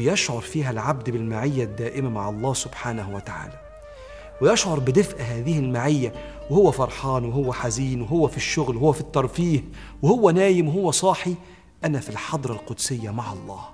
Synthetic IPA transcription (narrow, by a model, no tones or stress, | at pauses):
jɑʃʕoɾˤfiːɦælʕabd̪bɪlmaʕɪjːæd̪ːæːʔɪmæmaʕɑlˤːɑːsʊbħaːnæhwæt̪aʕa̰ːlæ | wɪjɑʃʕoɾˤbɪd̪ɪfʔæɦæːðɪhɪlmaʕɪjːæ | wɪhʊwːæfɑɾˤħɑːnwɪɦʊwːæħaziːnwɪɦʊwːæfiʃːʊɣlwhʊwːæfit̪ːɑɾˤfiːh | wɪhʊwːænæːjɪmwɪɦʊwːæsˤɑːħi | ʔænæfilħɑd̪ˤɾˤɑlqʊd̪sɪjːæmaʕɑlˤːɑ̰ːh